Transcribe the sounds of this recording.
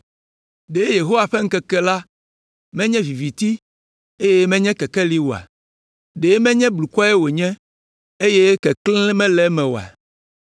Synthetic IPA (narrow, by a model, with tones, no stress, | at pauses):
ɖe˨˦je˨ɦo˦wa˨ɸɛ˦ŋ̩˦kɛ˨kɛ˦la˦ | mɛ̃˦ɲɛ̃˦vi˨vi˨t̪i˦ | e˦je˦mɛ̃˦ɲɛ̃˦kɛ˨kɛ˦li˦wo˨a̰˨ | ɖe˨˦mɛ̃˦ɲɛ̃˦blu˨kɔ˦e˦wo˨ɲɛ̃˦ | e˦je˦kɛ˨klɛ̃˦ɛ˦mɛ̃˦lɛ˨˦mɛ̃˨wo̰˨a̰˨